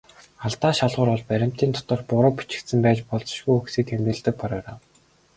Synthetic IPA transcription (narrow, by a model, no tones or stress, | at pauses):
aɮt̪aːʃaɮʁʊːɾɔɮpæɾʲɪ̆m̥t̪iːnt̪ʰɔ̥t̪ɞ̆rpʊɾʊ̆pi̥t͡ɕɪ̆kt̪sɘ̆mpæːt͡ɕpɔɮt͡sɞ̥̆ʃɡujuxsiːt̪ʰemt̪ɘ̆ɮt̪ɘ̆k̚pʰɔɾɔːraw